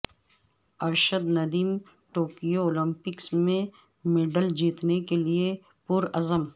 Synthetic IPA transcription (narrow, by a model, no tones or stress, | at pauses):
ɐɾʃəd̪nɐd̪iːm | ʈoːkijoɔːlɪ̃mpɪksmẽ | meɖəld͡ʒiːt̪nekelie | puɾɐzəm